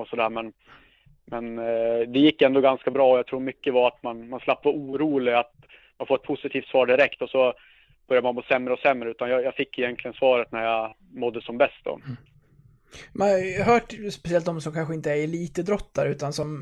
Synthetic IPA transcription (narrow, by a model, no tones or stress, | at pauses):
ɔsɔd̪æːɾmɛn | mɛnd̪ɛjɪkːɛnd̪ɔɡanskabɾɑːɔjaɡt̪ʰɾuːɾmʏkːəvaɾat̪manmanslapːvauːɾuːlɪat̪̚ | manfoːɾɛt̪pʰʊsɪt̪ʰiːft̪svɑːɖɪɾɛkt̪ɔsɔ | b̥œɾjad̪manmoːsɛmːɾəɔsɛmːɾəʉ̟ːt̪anjɑjafɪkːɪjɛnk̪ʰlɪɡənsvɑːɾət̪̚næɾja | mɔd̪ːəsɔmbɛst̪̚d̪ɔ̰ | manaɦœːʈspɛsɪɛlt̪d̪ɔmsɔmkʰanɧəɪnt̪əæɾɛliːt̪əd̪ɾɔt̪ːaɾʉ̟ːt̪ansɔm